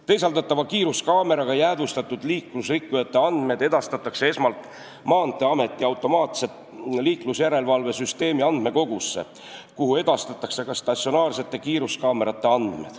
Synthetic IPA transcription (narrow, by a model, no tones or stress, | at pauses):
t̪e̞jsɑlt̪ɑt̪ːˑɑvɑkiːɾuskɑːme̞ɾɑɡ̥ɑjæːd̪̥ust̪ɑt̪ːˑud̪̥liːklusrikːujɑt̪ːˑe̞ɑnd̪̥me̞d̪̥e̞d̪̥ɑst̪ɑt̪ːˑɑkse̞e̞smɑlt̪ˑ | mɑːnt̪ːˑe̞ɑme̞t̪ˑːiɑwt̪ːˑo̞mɑːt̪se̞t̪ | liːklusjæɾe̞lvɑlve̞syst̪e̞ːmiɑnd̪̥me̞ko̞ɡ̥usːḛ | kuhue̞d̪̥ɑst̪ɑt̪ːˑɑkse̞kɑst̪ɑsio̞nɑːrse̞t̪ːˑe̞kiːɾuskɑːme̞ɾɑt̪ːe̞ɑnd̪me̞̰d̪̥